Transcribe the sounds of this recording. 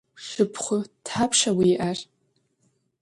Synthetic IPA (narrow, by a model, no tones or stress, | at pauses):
ʃɨpʰχʷʊd̥ħapʰʂawiːʔar